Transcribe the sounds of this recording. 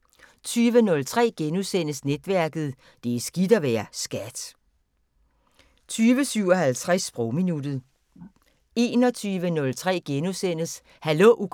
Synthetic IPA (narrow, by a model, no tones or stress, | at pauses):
t͡sʰyːʋənɔ̽lt͡sʰʁɛ̰ːɡ̥enusen̰əsned̥ʋæɐɡ̥ð̞̩ˠ | d̥e̝sɡ̥id̥ɐʋæːɐsɡ̥æd̥ | t͡sʰyːʋəsyʊ̰ɒ̽hælt͡sʰʁasb̥ʁoʊminud̥ð̩ˠ | e̝ːnɒ̽t͡sʰyːʋənɔ̽lt͡sʰʁɛ̰ːɡ̥enusen̰əs | hæloʔu